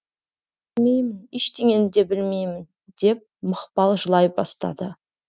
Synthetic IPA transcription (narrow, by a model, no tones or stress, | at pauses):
ɪlmejmɪneʃt̪eŋʲe̞nd̪e̞bɪlme̞jmɪn | d̪e̞p̚məqpɑlˠʒəlˠɑjbɑst̪ɑ̰d̪ə